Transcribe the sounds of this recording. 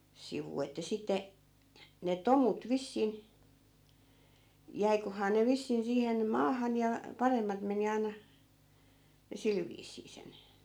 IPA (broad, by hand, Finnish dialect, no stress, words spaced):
siʋuː etːæ sitːe ne tomut ʋisːin jæikohɑː ne ʋisːin siːhen mɑːhɑn jɑ pɑremːɑt meni ɑi̯nɑ jɑ sil ʋiːsˑiː sen